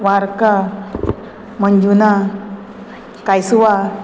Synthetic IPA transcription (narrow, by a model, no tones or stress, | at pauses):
ʋaɾka | məɲd͡ʒuna | kajsuʋa